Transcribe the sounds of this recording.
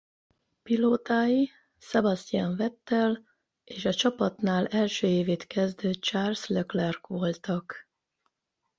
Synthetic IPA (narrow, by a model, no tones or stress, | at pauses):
piloːt̪aːji | sɛbɒst̪iaːɱvɛt̪ːɛl | eːʃɒt͡ʃɒpɒt̪naːlɛlʃøːeːveːt̪kɛzd̪øːt̪̚t͡ʃaːrsløklɛrkʋo̞lt̪ɒk